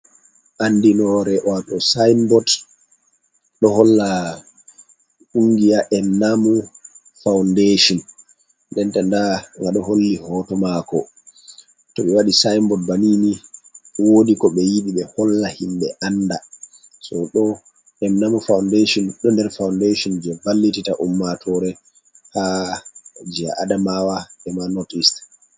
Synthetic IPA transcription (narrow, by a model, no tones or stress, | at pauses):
ʔandinɔɾɛʔɔatɔsajmbɔt | ɗɔhɔlːa | ʔuŋɡijaʔɛmnamu | fawndeʃɔn | ndɛntandaŋɡaɗɔholːihɔtɔmakɔ̰ | tɔɓɛwaɗisajmbɔt̚baniːniwodikɔɓɛjiɓiɓɛhɔlːahimɓɛʔandasɔɗɔ | ɛmnamufawndeʃɔnɗɔndɛɾfawndeʃɔnd͡ʒɛbalːititaʔumːatʰɔɾɛ | ha | d͡ʒia̰ʔadamawaɛmanɔtist